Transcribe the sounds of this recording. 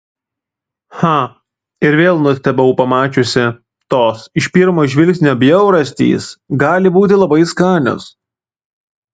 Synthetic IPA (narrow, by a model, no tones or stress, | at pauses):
xɑ | ɪɾʋʲeːlˠnʊsʲt̪ʲɛbʲɐʊpɐmɑːt͡ʃʲʊsʲɪ | t̪oːsɪʃʲpʲiɾmoːʒʲʋʲɪlʲkʲsʲnʲoːbʲjɛʊɾɐsʲt̪ʲḭːsɡɑːlʲɪbuːt̪ʲɪlˠɐbɐɪskɑːnʲo̰ːs